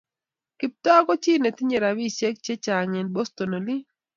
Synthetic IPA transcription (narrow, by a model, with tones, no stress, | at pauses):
kɪ˨p̚tɔ˦kɔ˦t͡ʃi˦ne˨t̪ɪ˦ɲe˨ɾa˨wi˦t͡ʃe˦k̚t͡ʃe˦t͡ʃa˨ŋɛ˨nbo˦st̪o˨no˨li˦